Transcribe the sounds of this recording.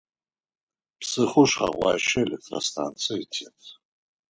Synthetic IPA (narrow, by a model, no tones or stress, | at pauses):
pʰsɨχʊʂχa̰ʁʷaʃɪelek̚tʰʼrostʰant͡sʰɨitʰetʼ